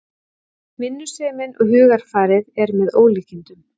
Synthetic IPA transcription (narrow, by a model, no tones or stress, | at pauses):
mɪnːʏ̥sɛːmɪnʔɔɣɦʏːɣaɾ̥faːɾɪðɛɾmɛðoːwliːcint̪ʏm